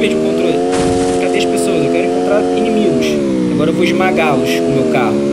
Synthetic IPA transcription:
vẽd͡ʒũkõnt̪ɾol | kad̪eɐʃpesoɐzewkɛɾʊ̃ẽŋkõt̪ɾaɾinimiɡuʃ | aɡɔɾɐewvoiʒmaɡaluʃumewkahʊ

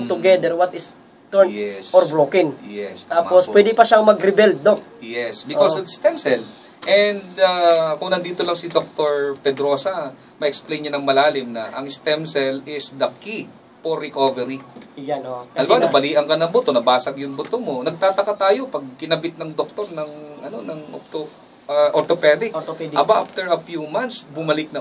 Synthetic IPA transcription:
tt̪ʊɡɛd̪ɛɾwɐt̪ɪs | t̪ɛjɛsoɾbɾokɪŋjɛst̪aːmposppwɛd̪ɪpɐʃaŋmɐɡɾɪbɛld̪̚ːojɛsbɪkosod̪st̪ɛmsɛl | ʔɛnd̪akʊŋnɐnd̪iːt̪olɐŋsɪd̪ok̚t̪oɹpɛd̪ɾo̞sɐ | mɐʔɛksplejnɲɐnɐŋmɐlaːlɪmnɐʔɐŋɪst̪ɛmsɛlɪsd̪ɐki | poɾɪkovɛɾi | ʔɐlbanɐbɐliːʔɐŋkɐnɐŋbʊt̪o̞nɐbaːsɐɡjʊŋbʊt̪omo̞nɐɡ̚t̪aːt̪ɐkɐt̪aːjo̞pɐɡ̚kɪnɐbɪt̪̚nɐŋd̪ok̚t̪o̞ɾnɐŋʔɐno̞nɐŋʔo̰t̪o | ɐʔoɾt̪opɛd̪ɪkʔɐbaʔa̰ft̪ɛɹɐfjumant̪sbʊmɐlɪk̚nɐ

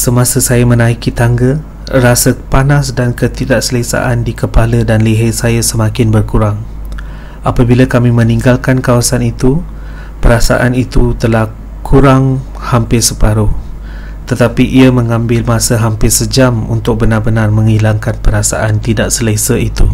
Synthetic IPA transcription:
səmãsəsajəmənaikit̪aŋɡə | rasəpanasdankət̪idaʔsəlesa̰ʔandikəpalədanliɦəsajəsəmakɪnbərkuɾaŋ | ʔapabiləkamimə̃nĩŋɡalkankawasanit̪u | pəɾasa̰ʔanit̪ut̪əlah | kʰuɾaŋ | hampɪsəpaɾʊh | t̪ət̪apiʔiəməŋãmbɪlmasəɦampɪsəd͡ʒamṵnt̪ʊk̚bənarbənarmə̃ŋilaŋkanpəɾasa̰ʔant̪idaʔsəlesəit̪u

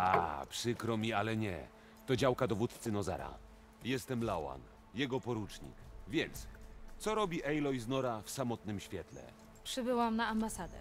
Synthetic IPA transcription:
a̰pʂɘkɾɔmʲialɛɲɛ̰ | t̪ɔd͡ʑawkad̪ɔvut̪t̪sɘnɔza̰ɾa̰ | jɛst̪ɛmlawa̰n | jɛɡɔpɔɾut͡ʂɲḭkvʲjɛnt̪st̪sɔɾɔbʲiʔɛjlɔjznɔɾafsamɔt̪nɘmɕfʲjɛt̪lɛ̰ | pʂɘbɘwamnaambasad̪ɛ̰

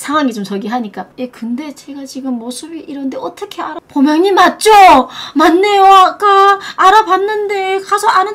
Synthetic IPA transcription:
sʰaŋɦwaŋit͡ɕomt͡ɕʌɡiɦaɲik͈aje̞kɯnde̞t͡ɕe̞ɡat͡ɕiɡɯmːosʰɯbiʔiɾʌnɯnde̞ʌt͈ʌkʰe̞aɾapomjʌŋɲimat̚t͡ɕ͈omanːejoak͈aaɾabanːɯnde̞kasʰʌanɯ

